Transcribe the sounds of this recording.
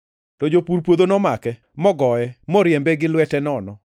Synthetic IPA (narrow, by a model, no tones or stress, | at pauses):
tod͡ʒopuɾpwod̪onɔmakɛ | mɔɡɔɛmɔɾjembeɡɪlwɛtɛnɔnɔ